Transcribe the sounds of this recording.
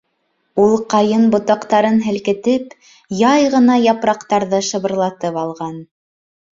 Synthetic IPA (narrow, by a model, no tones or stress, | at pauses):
ulˠqɑjɤnbŏt̪ɑqt̪ɑɾɤnɦɘ̆lkɘ̆t̪ɘp | jɑjʁɤ̆nɑjɑpɾɑqt̪ɑɾðɤʃɤ̆βɤ̆ɾlˠɑt̪ɤpɑlˠʁɑn